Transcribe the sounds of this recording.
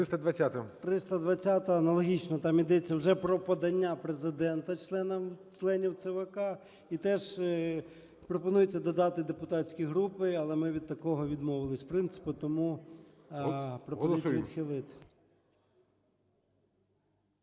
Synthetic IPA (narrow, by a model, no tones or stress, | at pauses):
ɪst̪ɐd̪ʋɐt͡sʲːat̪ɐt̪ɾɪst̪ɐd̪ʋɐt͡sʲːat̪ɐɐnɐlˠɔɦʲit͡ʃnɔt̪ɑmid̪ɛt͡sʲːɐwʒɛpɾɔpɔd̪ɐnʲːapɾezɪd̪ɛnt̪ɐt͡ʃlˠɛnɐmt͡ʃlˠɛnʲiwt̪sɛʋekɑ | it̪ɛʒ | pɾɔpɔnujet͡sʲːɐd̪ɔd̪ɑt̪ɪd̪epʊt̪ɑt͡sʲkʲijɦɾupɪɐlˠɛmɪʋʲid̪̚t̪ɐkɔɦɔʋʲid̪mɔʋɪlˠɪsʲpɾɪnt̪sɪ̥pʊt̪ɔmu | pɾɔpziiʋid̪xɪlˠɪt̪ɪ̥